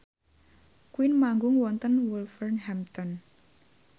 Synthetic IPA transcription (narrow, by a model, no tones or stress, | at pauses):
kwinmaŋɡʊŋwɔnt̪ənwulfərnɦɛmt̪ɔn